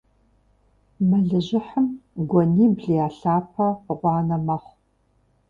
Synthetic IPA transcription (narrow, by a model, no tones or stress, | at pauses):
mɐɮɨʑɪħəmɡʷɔniːbɮiaːɬaːpʰɐʁʷɑːnɐmɐχʷ